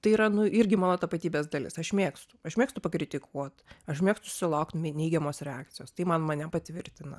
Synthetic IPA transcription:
t̪ɐɪiːɾɐnʊɪɾʲɡʲɪmɑːnoːt̪ɐpɐt̪ʲiːbʲeːzd̪ɐlʲɪ̰sɐʃmʲeːkst̪ʊ̥ɐʃmʲeːkst̪ʊpɐkɾʲɪt̪ʲɪkʰuɔt̪ɐʃmʲeɛkst̪ʊsʊ̥sʲɪlˠɐʊkt̪mʲnʲɛɪɡʲɛmoːsɾʲɛaːkt̪sʲɪjoːst̪ɐɪmɐnmɐnʲɛpɐt̪ʲʋʲɪɾʲt̪ʲɪnɐ̰

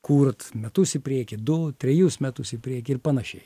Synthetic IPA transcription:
kuːrt̪mʲɛt̪ʊsɪpʲɾʲiɛkʲɪd̪ʊt̪ʲɾʲɛjusmʲɛt̪ʊsɪpʲɾʲiɛkʲɪɪrpɐnɐʃʲɛɪ

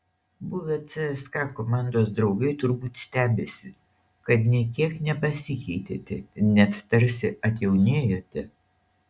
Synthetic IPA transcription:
buʋʲɛt̪sɛɛskɑkomɑːˑnd̪oːsd̪ɾɒʊɡɐɪt̪ʊɾbuːt̪ʲsʲt̪ʲæːbʲeːsʲɪ | kɐt̪nʲiɛkʲiɛknʲɛpɐsʲɪkʲɛɪt̪ʲḛːt̪ʲɪnʲɛt̪t̪ɐɾʲsʲɪʔɐt̪ʲjɛʊnʲeːjoːt̪ʲɛ

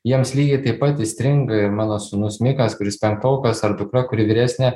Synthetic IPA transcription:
jiɛmslʲiːɡʲɪt̪ɐɪpɐt̪ɪsʲt̪ʲɾʲɪŋɡɐɪɾmɑːnoːsʊnʊsʲmʲɪkɐskʊɾʲɪspʲɛŋk̚t̪ɐʊkɐsɐrd̪ʊkrɐkʊɾʲɪʋʲɪːɾʲæːsʲnʲɛ

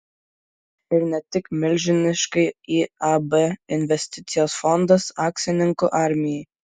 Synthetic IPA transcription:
ɪɾnʲɛt̪ʲɪkmʲɪlʲʒʲɪnʲɪʃkɐɪiːabɛɪnʲʋʲɛsʲt̪ʲɪt̪sʲɪjoːsfɔnd̪ɐsɑːksʲɪnʲɪŋkoʔɑˑɾʲmʲɪjɛj

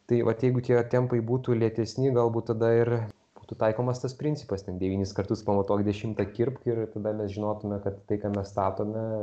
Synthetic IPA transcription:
t̪ɐɪʋɐt̪jɛɪɡʊt̪ʲiɛt̪ʲɛmpɐɪbuːt̪uːlʲiɛt̪ʲɛsʲnʲɪɡɐlˠbuːt̪t̪ɐd̪ɐɪr | b̥uːt̪uːt̪ɐɪkoːmɐst̪ɐspʲɾʲɪnʲt͡sʲɪ̥pɐstʲɛnd̪ʲɛʋʲiːnʲɪskɐrt̪ʊspɐmɐt̪oːkʲd̪ʲɛʃʲɪmt̪ɐkʲɪrpkɪrt̪ɐd̪ɐmʲɛsʒʲɪnoːt̪ʊmʲɛkɐt̪ːɐɪkɑmʲɛsst̪ɑːt̪oːmʲɛ

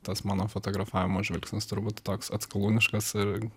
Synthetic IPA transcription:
t̪ɐsmɑːnoːfot̪oːɡɾɐfɑːʋʲɪmoːʒʲʋʲɛlʲksʲnʲɪst̪ʊɾbuːt̪t̪oːksɐt̪skɐlˠuːnʲɪʃkɐsɪɾ

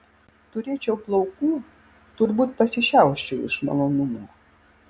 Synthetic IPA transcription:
t̪ʊɾʲet͡ʃʲɛwplˠɔwku | t̪ʊrbut̪ʲpɐsʲɛʃʲawʃt͡ʃuɪ̰ʃmɐ̰lˠɔnumu

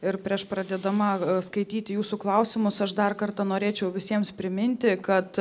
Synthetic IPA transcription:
ɪɾpʲɾʲiɛʃpɾɐd̪ʲɛd̪ɐmɐskɐɪt̪ʲiːt̪ʲɪjuːsuklˠɐʊsʲɪmʊsɐʃd̪ɐrkɐrt̪ɐnoːɾʲeːt͡ʃʲɛʊʋʲɪsʲiɛmspʲɾʲɪmʲɪnʲt̪ʲɪkɐt̪

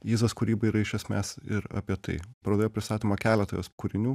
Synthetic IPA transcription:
jiːzɐskʊɾʲiːbɐɪɾɐɪʃʲɛsʲmʲæsɪɾɑ̰pʲiɛt̪ɐ̰ɪpɾɐd̪ʲeːjoːpɾʲɪst̪ɑːt̪ʲiːmɐkʲæːlʲɛt̪oːjoskuːɾʲɪnʲuː

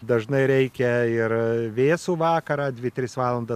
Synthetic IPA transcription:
d̪ɐʒnɐɪɾʲɛɪkʲɛɪrʋʲeːsuːʋɑːkɐɾɑːd̪ʲʋʲɪt̪ʲɾʲɪsʋɑːlˠɐnd̪ɐ

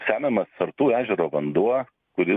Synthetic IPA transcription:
sʲæːmʲɛmɐsɐɾt̪uːæːʒʲɛɾoːʋɐnd̪uɔ | kʊɾʲɪ

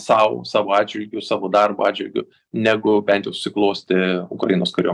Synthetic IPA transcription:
sɑːʋo̰sɑːʋoːɑːd͡ʒʲʋʲɪlʲɡʲʊsɑːʋoːd̪ɐrbo̰ːɑːdʲd͡ʒʲʋʲɪlʲɡʲʊ̰ | nʲæɡʊbʲɛnt̪jɛʊʃʊ̥sʲɪklˠoːsʲt̪ʲɪʊkɾɐjɪnoːskɐɾʲoːm

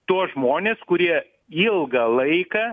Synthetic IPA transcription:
t̪uɔʒmoːnʲeːskʊɾʲiɛ | ɪlˠɡɐlˠɐɪkɐ

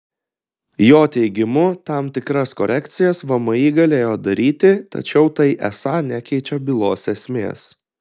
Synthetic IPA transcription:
joːt̪ʲɛɪɡʲɪmʊt̪ɑˑmt̪ʲɪkɾɐskɔɾʲʔɛkt̪sʲɪjɛsʋɐmɐiːɡɐlʲeːjoːd̪ɐɾʲiːt̪ʲɪt̪ɐ̰t͡ʃʲɛʊt̪ɐɪʔɛ̰sɑːnʲækʲɛɪt͡ʃʲɛbʲɪlˠoːsɛsʲmʲḛːs

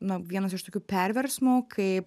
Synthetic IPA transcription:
nʊʋʲiɛnɐs̬ɪʃt̪oːkʲuːpʲɛɾʲʋʲɛɾsmukʰɐp

